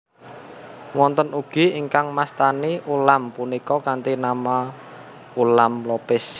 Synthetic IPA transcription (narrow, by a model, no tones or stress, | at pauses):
wɔnt̪ənuɡ̥i̤iŋkaŋmast̪aniʔulampunikɔkant̪inama | ulamlɔpɪs